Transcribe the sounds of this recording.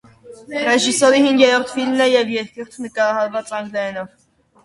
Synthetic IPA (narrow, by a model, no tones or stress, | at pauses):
rɛʒisɔɾihiŋɡjɛɾɔɾt̪ʰfilmnɛjɛvjɛɾkʰɛɾt̪ʰnəkɑɾɑhɑɾvɑt͡sɑŋɡlɛɛnɔv